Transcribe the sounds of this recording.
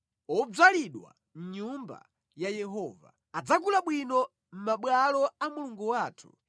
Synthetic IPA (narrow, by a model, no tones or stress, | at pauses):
ɔb͡ʐaliɗwa̰ | m̩ɲumba̰ | jajɛɦɔːva̰ | ad͡zak̬ulaɓwinɔ | m̩maɓwalɔamuluŋɡuwaːtʰu̥̰